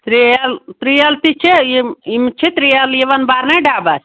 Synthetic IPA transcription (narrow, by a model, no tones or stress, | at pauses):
t̪ɾiɐlt̪ɾijɐlt̪it͡ʃʰeimt͡ʃʰit̪ɾijɐljeʋɐnbaːɾnaɖʱaːbat͡ʃʰ